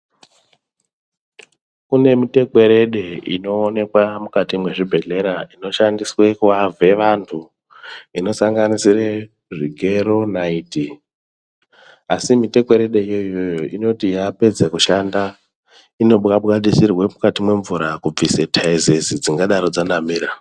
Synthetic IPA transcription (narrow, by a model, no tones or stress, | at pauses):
kune̞mite̞kwe̞ɾe̞ɗe̞ḭno̞ːne̞kwamukatimwe̞ʐibʱe̞ɮe̞ɾaino̞ʃandiswe̞kuave̞ʋantʰu | ino̞saŋɡanisire | ʐiɡʱe̞ɾo̞naiːti | asimite̞kwe̞ɾe̞ɗe̞ijo̞ijo̞jo̞ʔino̞tijape̞d͡zekuʃanda | ino̞ɓɣaɓɣaɗisirwe̞mukatimwe̞ɱvuɾakub͡visetʰaezezid͡ziŋɡaɗaɾo̞d͡zanamiːɾa